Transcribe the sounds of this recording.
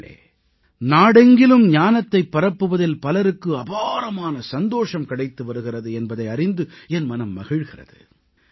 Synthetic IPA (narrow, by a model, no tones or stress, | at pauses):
ḛː | naːɽɛŋɡɪlɯmɲaːnɐt̪ːɐɪpːɐɾɐpːɯʋɐðɪlpɐlɐɾɯkːɯɐbaːɾɐmaːnɐsɐnd̪oːʂɐmkɐɽɐɪt̪ːɯʋɐɾɯɣɪrɐðɯɛnbɐðɐɪɐrɪnd̪ɯɛnmɐnɐmːɐɣɪɻɣɪrɐ̰ðɯ̰